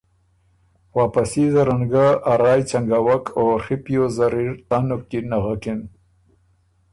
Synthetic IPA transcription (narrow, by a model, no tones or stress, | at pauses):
waːpasizaɾaŋɡaaɾɑːjt͡ʃaŋɡawakʰoxipjozaɾiɾt̪anʊk̪̚inaɣakin